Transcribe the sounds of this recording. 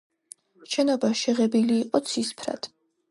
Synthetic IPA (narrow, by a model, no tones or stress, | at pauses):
ʃɛnɔbaʃɛʁɛbiliːqʼɔt̪sʰispʰɾa̰d̪̥